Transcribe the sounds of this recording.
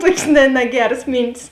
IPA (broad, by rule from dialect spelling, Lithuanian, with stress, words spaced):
ˈtuɔkʲeːs nʲɛ nʲɛˈɡʲæːrɐs ˈmʲiːnʲtʲɪs